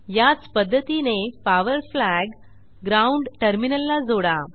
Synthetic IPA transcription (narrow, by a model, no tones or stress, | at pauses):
jat͡spəd̪ʱːət̪inepaʋəɾflæɡː | ɾauɳɖʈəɾminəlːad͡zoɽa